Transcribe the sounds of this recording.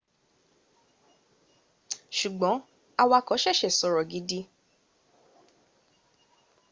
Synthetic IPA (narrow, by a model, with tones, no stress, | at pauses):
ʃu˨ɡ͡bɔ̃˨˦ | a˧wa˧kɔ˨˦ʃɛ˦˨ʃɛ˨sɔ˨ɾɔ˨ɡi˨˦di˧˦